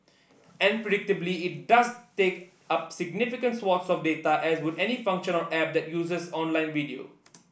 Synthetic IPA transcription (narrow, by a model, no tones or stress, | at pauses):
ɛ̃npɾeɖɪk̚ʈɪbliɪʈ̚ɖɐzteːk | ʌpsɪɡ̚nɪfɪkə̃nʈswɔːtsɔfɖeːt̪aʔɛzwɪd̪ɛnifʌ̃ŋkʃə̃nɔ̃nɛp̚d̪ɛʈjuːzəzɔ̃ːnlãɪ̃nʋiɖio̰